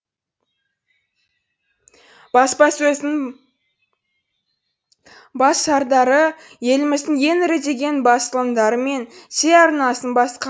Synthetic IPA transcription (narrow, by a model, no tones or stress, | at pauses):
b̥ɑspɑsɵzɪŋ | bɑsʃɑɾd̪ɑɾə | je̞lɪmɪzd̪ɪŋje̞nɪɾe̞d̪e̞ɡʲe̞nbɑsəlˠəmd̪ɑɾəme̞nse̞ɑɾnɑsənbɑsqɑ